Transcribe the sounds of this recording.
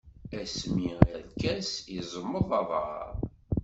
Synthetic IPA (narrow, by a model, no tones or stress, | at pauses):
æsmiæðkæsizˤəmːəðˤɑðˤə̰ɾˤ